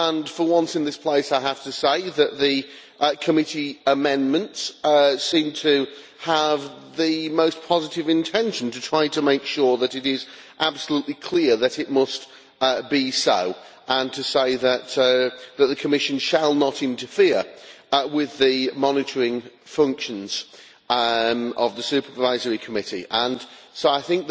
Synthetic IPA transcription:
ə̃nfə˞wʌ̃nsɨ̃nðɪspʰl̥eɪsaɪɦaftɨseɪðɨʔ̪̚ðɨ | kʰəmɪɾiəmɛ̃nmə̃ntssĩmtʰɨ | əvðɨmoʊspʰɑzɨɾɨvɨ̃ntʰɛ̃nʃɨ̃n̩tɨtʰɹ̥aɪtəmeɪkʃʊɹðəɾɨɾɪz | ʔab̥səluʔlikʰl̥ɪəðɨɾɪt̚mʌst̚ | bisoʊ | ʔə̃ntʰɨseɪðətðət̪̚ðəkʰəmɪʃɨ̃nʃəlˠnəɾɪ̃ntəfɪəɹwɪðɨmɑnɨtə˞ɪ̃ŋfʌ̃ŋkʃə̃nz̥ | əvðəsʉˑpʰə˞vaɪzəɹikʰəmɪɾḭʔə̃nsoʊaɪθɪ̃ŋk̚ð

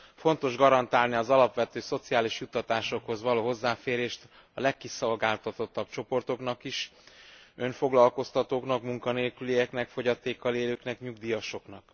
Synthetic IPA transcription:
fo̞nt̪o̞ʒɡɒɾɒnt̪aːlniɒzɒlɒpʋɛt̪øːso̞t̪sijaːliʃjut̪ːɒt̪aːʃo̞kho̞zʋɒloːɦo̞zːaːfeːɾeːʃt̪ | ɒ̰lɛkːiso̞lɡaːlt̪ɒt̪o̞t̪ːɒb̚t͡ʃo̞po̞rt̪o̞knɒkiʃ | ø̞ɱfo̞ɡlɒlko̞st̪ɒt̪oːknɒkmuŋkɒneːlkylijɛknɛkfo̞ɟɒt̪eːkːɒleːløːknɛkɲuɡd̪ijɒʃo̞knɒk

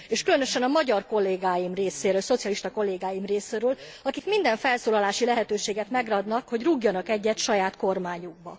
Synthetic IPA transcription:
eːʃkylø̞nøʃɛnɒmɒɟɒrko̞lːeːɡaːjimreːseːɾøːlso̞t̪sijɒliʃt̪ɒko̞lːeːɡaːjimreːseːɾøːlɒkikmind̪ɛɱfɛlsoːlɒlaːʃilɛɦɛt̪øːʃeːɡɛt̪mɛɡrɒd̪nɒkho̞ɟruɡjɒnɒkɛɟːɛt̪ʃɒjaːt̪ko̞rmaːɲuɡ̚bɒ̰

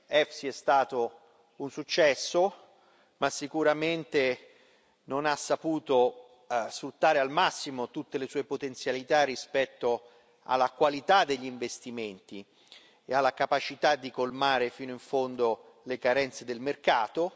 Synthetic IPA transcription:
ɛfsiɛst̪aːt̪o | unsut͡ʃːɛsːo | masːikuɾament̪e | nonasːapuːt̪o | sfɾut̪ːaːɾealmasːimot̪ut̪ːelesuːepot̪ent̪sjalit̪arːispɛt̪ːo | a̰lːakwalit̪ad̪ːeʎːiiɱvest̪iment̪i | ealːakapat͡ʃit̪ad̪ːikolmaːɾefiːnoiɱfond̪o | lekaɾɛnt̪sed̪elmerkaːt̪o

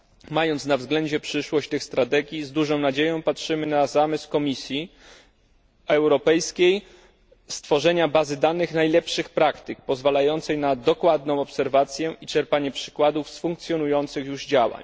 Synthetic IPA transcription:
majɔnt̪navzɡlɛɲd͡ʑɛpʂɘʂwɔɕt͡ɕt̪ɘxst̪ɾat̪ɛɡʲjizd̪uʐɔ̃w̃nad͡ʑejɔ̃w̃patʂɘmɘnazamɘskɔmʲisʲji | ɛwɾɔpɛjskʲej | st̪fɔʐɛɲabazɘd̪anɘxnajlɛpʂɘxpɾakt̪ɘk̚pɔzvalajɔnt̪sɛjnad̪ɔkwad̪nɔ̃w̃ɔpsɛɾvat̪sʲjɛit͡ʂɛɾpaɲɛpʂɘ̥kwad̪ufsfuŋk̚t̪sʲjɔnujɔnt̪sɘxjuʐd͡ʑawa̰ɲ

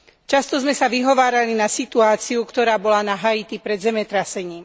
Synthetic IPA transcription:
t͡ʃast̪ɔzmɛsaʋiɦɔʋaːɾalinasit̪uaːt͡siukt̪ɔɾaːbɔlanaɦait̪ipɾɛd̪zɛmɛt̪ɾasɛɲiːm

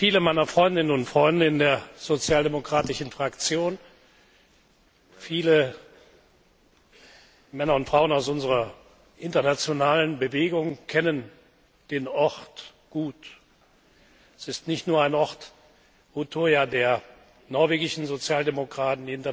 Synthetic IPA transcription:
fiːləmaɪnɐfʁ̥ɔʏndɪnənʊntfʁ̥ɔʏndɪnəndeːɐz̥ot͡sjaːldemokʁ̥aːtɪʃn̩fʁ̥akt͡sjoːn | fiːlə | mɛnɐʊntfʁ̥aʊənaʊsʔʊnzəʁɐ | ʔɪntɐnat͡sjonaːlənbəveːɡʊŋkʰɛnən | d̥eːnɔʁt | ɡ̥uːt | ɛsɪstnɪçtnuːɐaɪnʔɔʁt | utʰoːjadeːɐ | nɔɐveːɡɪʃn̩zot͡sjaːldemokʁ̥aːtn̩diɪntɐ

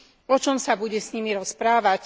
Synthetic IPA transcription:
ɔt͡ʃɔmsabuɟɛsɲimiɾɔspɾaːʋac

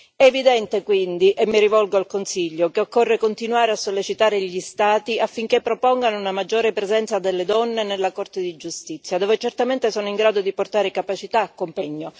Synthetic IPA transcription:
ɛːvid̪ɛnt̪ekwind̪iʔɛmːiɾivɔlɡoalkonsiʎːokeokːorːekont̪inwaːɾeasːolːet͡ʃit̪aːɾeʎist̪aːt̪iafːiŋkepːɾopɔŋɡanounamad͡ʒːoːɾepɾezɛnt̪sad̪elːed̪ɔnːenelːakort̪ed̪id͡ʒust̪it̪sːjad̪oːvet͡ʃert̪ament̪esoːnoiŋɡɾaːd̪od̪iport̪aːɾekapat͡ʃit̪aːkːompɛɲːo

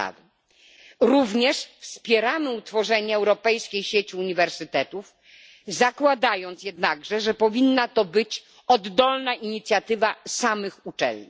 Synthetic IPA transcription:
a̰vɘ | ɾuvɲɛʂfspʲjɛɾamɘut̪fɔʐɛɲɛːwɾɔpɛjskʲejɕet͡ɕiuɲivɛɾsɘt̪ɛt̪uf | zakwad̪ajɔnt̪sjɛd̪naɡʐɛʐɛpɔvʲinːat̪ɔbɘt͡ɕ | ɔd̪ːɔlnaʔiɲit̪sʲjat̪ɘvasamɘxut͡ʂɛ̰lɲḭ

